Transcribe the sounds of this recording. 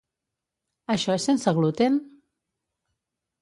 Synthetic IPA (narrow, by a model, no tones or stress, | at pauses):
əʃɔesːensəɣlut̪en